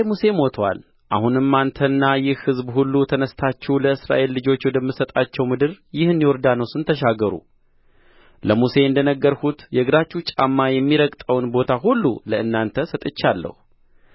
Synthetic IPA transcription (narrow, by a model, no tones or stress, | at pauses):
muse̞mo̞t̪ʰwa̰l | ʔahunɨmːant̪ʰənːajɪhhɨzbhulːut̪ʰənəst̪ʰat͡ʃːɛwləɨsɾa̰ʔe̞lːɨd͡ʒo̞t͡ʃːwɔd̪əmːɨsət̪ʼat͡ʃːɛwmɨd̪ɨɾjɪhɨnːiwɔɾd̪anowsɨnt̪ʰəʃaɡːəɾṵ | ləmuse̞ɨnd̪ənəɡːəɾhut̪jɛɨɡɨd̪at͡ʃːut͡ʃʼa̰mːajɛmːiɾəkt̪ʼəwnbo̞t̪ʰaɦulːṵləɨnːant̪ʰəsət̪ʼɨt͡ʃːalːə̰hu